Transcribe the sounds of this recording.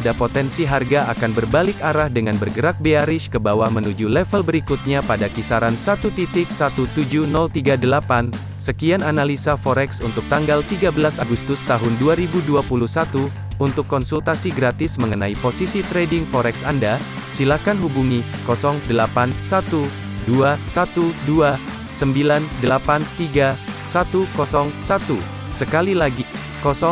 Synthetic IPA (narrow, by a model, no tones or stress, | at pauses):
adapot̪ɛnsiɦarɡaʔakanbərbalɪkaɾahdəŋanbərɡəɾak̚beaɾɪʃkəbawahmənud͡ʒulɛfəlbəɾikut̪̚ɲapadakisaɾansat̪ut̪it̪ɪk̚sat̪ut̪ud͡ʒunɔlt̪iɡadəlapan | səkiananalisafɔɾɛksunt̪ʊk̚t̪aŋɡalt̪iɡabəlasaɡust̪ʊst̪aɦʊnduaɾibuduapuluhsat̪uː | nt̪ʊkːɔnsult̪asiɡɾat̪ɪsməŋənaiposisit̪ɾedɪŋfɔɾɛksanda | silakanɦubuŋikɔsɔŋdəlapansat̪u | duasat̪udua | səmbilandəlapant̪iɡasat̪ukɔsɔŋsat̪u | səkalilaɡi | kɔsɔ